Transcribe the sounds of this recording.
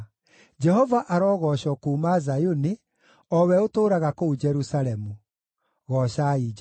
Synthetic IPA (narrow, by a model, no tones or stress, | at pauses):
d͡ʒɛɦɔvaʔaɾɔːɣɔɕɔkuːmazajoni | ɔwɛotoːɾaɣakoud͡ʒɛɾusaɾɛmu | ɣɔɕai